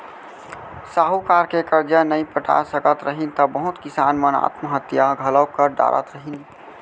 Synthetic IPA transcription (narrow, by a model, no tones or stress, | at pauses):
saːɦukaːɾkekəɾd͡ʒanəĩpəʈʰa̰səkət̪ɾəɦint̪əbəɦʊt̪kɪsaːnməna̰ːt̪məɦət̪jaɡʱələwkəɾɖa̰ːɾə̰t̪ɾəɦin